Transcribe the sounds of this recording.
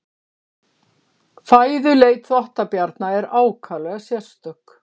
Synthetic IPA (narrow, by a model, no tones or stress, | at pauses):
faːjðʏleːjt̪θɔht̪apjaɾt̪naɛɾaːwkʰalɛɣasjɛr̥st̪œk